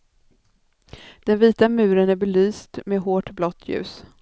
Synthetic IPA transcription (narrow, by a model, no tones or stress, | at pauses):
d̪̥ɛnviːt̪amʉ̟ːɾənæɾbɛlyːst̪meːɦoːʈblɔt̪ʰːjʉ̟̰ːs